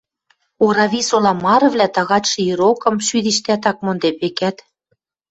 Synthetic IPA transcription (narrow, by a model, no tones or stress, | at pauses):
oɾɑβʲisolɑmɑɾɤ̆vlæt̪ɑɣɑt̪ʃĭiɾokɤ̆mʃyðiʃt̪æt̪̬ɑk̚mond̪epekæt̪